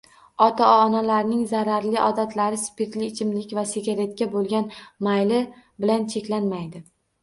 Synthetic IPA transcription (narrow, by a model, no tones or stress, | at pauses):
ɒt̪ʰaɒnalaɾnɪŋzaɾaɾlɪʔɒd̪at̪ʰlaɾɪspʰet̪lɪːt͡ʃʰɪmlɪkʲvaseɡʲaɾe̞t̪̚kʲabolˠɡʲanmajlɪbɪlant͡ʃʰe̞kʲlanmajd̪ɪ